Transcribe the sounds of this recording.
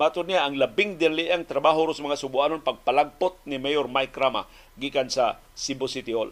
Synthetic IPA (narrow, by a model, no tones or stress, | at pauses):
mat̪ʊd̪nijaːŋlabɪŋd̪anliʔaŋt̪ɾabaɦʊɾʊsmɐŋasʊbʊʔanonpaɡ̚palaɡ̚pʊt̪̚nimejormajkɾama̰ | ɡikansa | sibʊsit̪io̰l